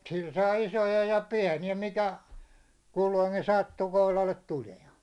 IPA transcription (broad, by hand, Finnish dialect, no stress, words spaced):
sil sɑː isojɑ jɑ piæ̝niæ mikæ kulːoiŋkin sɑtːu kohlɑlːet tuliɑ̝n̝